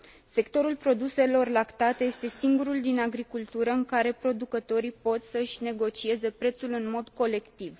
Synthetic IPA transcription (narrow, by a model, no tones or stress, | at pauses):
se̞kt̪o̞ɾulpɾo̞d̪use̞lo̞rlakt̪at̪e̞je̞st̪e̞siŋɡuɾuld̪inaɡɾikult̪uɾəɨŋkaɾe̞pɾo̞d̪ukət̪o̞ɾipo̞t̪səɨʃʲne̞ɡo̞t͡ʃie̞ze̞pɾe̞t̪sulɨnmo̞d̪ko̞le̞kt̪iv